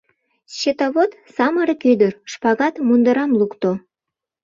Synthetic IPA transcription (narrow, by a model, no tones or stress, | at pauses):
ɕet̪oβot̪ | sɑməɾekyd̪ərʃpɑɣɑt̪mund̪əɾɑmlukt̪o